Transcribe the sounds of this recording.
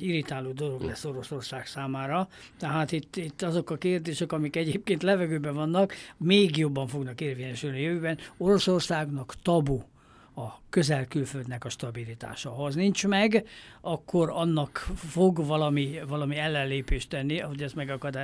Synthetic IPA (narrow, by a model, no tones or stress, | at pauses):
iɾit̪aːluːd̪o̞lo̞ɡlɛsːo̞ɾo̞so̞rsaːksaːmaːɾɒt̪ɛɦaːt̪it̪ːit̪ːɒzo̞kɒkeːrd̪eːʃɛkɒmikɛɟeːp̚keːnt̪lɛvɛɡøːbɛvɒnːɒkmeːɡjo̞bːɒɱfo̞ɡnɒkeːrveːɲɛʃylniɒjøvøːbɛnoɾo̞so̞rsaːɡnɒkt̪ɒbu | ɒkø̞zɛlkylføld̪nɛkɒʃt̪ɒbilit̪a̰ːʃɒɦɒznint͡ʃmɛɡɒkʰːo̞ɾɒnːɒkfoɡvɒlɒmivɒlɒmiɛlːɛnleːpeːʃt̪ɛnːiɒɦo̞ɟɛst̪mɛɡɒkɒd̪aː